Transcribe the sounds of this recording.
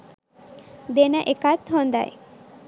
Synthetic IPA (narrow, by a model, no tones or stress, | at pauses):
d̪enaʔekat̪ɦɔnd̪a̰j